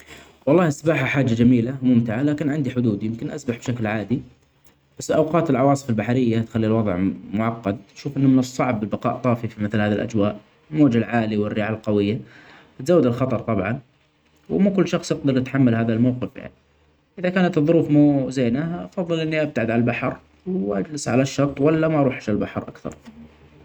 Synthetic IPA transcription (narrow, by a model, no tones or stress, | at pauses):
wɑlˤːɑːhɪsabaːħaħaːd͡ʒːad͡ʒamiːlamʊmt̪ɪʕalaːkɪnʕɪnd̪iħʊd̪uːd̪ijɪmkɪnʔasbaħbʃaklʕaːd̪i | b̥asːʔawqɑːt̪ɪlʕɑwɑːsˤɨ̥falbaħaɾɪjːat̪xalːilwɑðˤʕmʊʕɑqːɑd̪̚aʃuːfʔɪnːʊmɪnɨsˤːɑʕb̚ːɪlbɑqɑ̰ːʔt̪ˤɑːfifimɪθlhaːðilʔa̰d͡ʒwaːʔ | lmoːd͡ʒalʕaːliwɪrːɪʕalqɑwɪjːa | ɪt̪zaːwːad̪ɪlxɑt̪ˤɑɾˤt̪ˤɑbʕɑn | wmukʊlːʃɑxsˤjɪqd̪ɑɾˤʔɪt̪ħamːalhaːðalmawqɪfja̰ʕni | ʔɪðakaːnat̪ɨðˤːʊɾuːfmuːzeːnaʔɑfɑðˤːɨlʔɪnːiʔab̚t̪aʕad̪ʕallbaħɑɾ | wʔad͡ʒlɪsʕalaʃːɑɾˤt̪ˤwalːamaʔɑɾˤuːħaʃlbaħɑɾˤʔakθɑ̰ɾˤ